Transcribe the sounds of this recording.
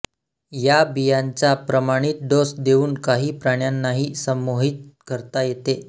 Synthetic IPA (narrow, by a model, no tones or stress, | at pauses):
jabijaɲt͡ɕapɾəmaɽ̃iːt̪̚ɖosd̪euːnkaɦiːpɾaɳjanːaɦiːsəmoɦit̪̚kəɾt̪ajet̪e